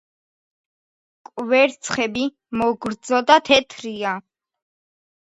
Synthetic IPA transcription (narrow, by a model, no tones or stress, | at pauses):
kʼvɛɾt̪sʰχɛbi | mɔɡɾd̪zɔd̪at̪ʰɛt̪ʰɾia